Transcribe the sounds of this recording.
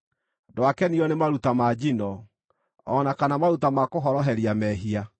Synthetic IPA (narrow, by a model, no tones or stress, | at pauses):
dwakɛniɔnemaɾutamad͡ʑinɔ | ɔnakanamaɾutamakoɦɔɾɔɦɛɾiamɛɦia